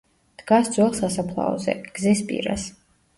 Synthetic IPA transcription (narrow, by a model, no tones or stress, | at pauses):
d̪̥ɡasd̪zwɛlˠsasapʰlˠa̰ɔzɛ̰ɡ̥zispʼḭɾa̰s